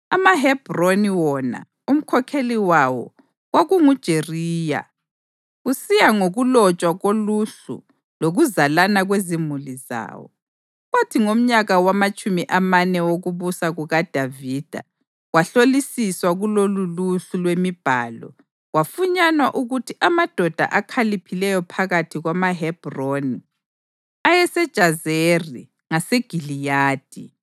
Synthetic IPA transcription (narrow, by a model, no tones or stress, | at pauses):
amaɦɛb̥roniwɔna̰ | um̩kʰɔkʰeliwawɔ̰ | ɣwaɣuŋud̥ʒ̥ʱeriːja̰ | ɣusijaŋoɣulɔt͡ʃʼwaɣoluɬṵ | loɣuzalanaɣwezimuliza̰ːwɔ̰ | ɣwatʰiŋom̩ɲaɣawamat͡ʃʼumiʔamanɛwoɣuβusaɣuɣad̥ʱaviːd̥ʱa̰ | waɬolisiswaɣuloluluɬulwemib̥ʱa̰ːlɔ̰ | wafuɲanwaʔuɣutʰiʔamad̥ʱɔd̥ʱa̰ʔakʰalipʰilɛjɔpʰaɣatʰiɣwamaɦɛb̥roni | ajɛsɛd̥ʒ̥ʱazeri | ŋaseɡ̥ʱilijaːd̥ʱi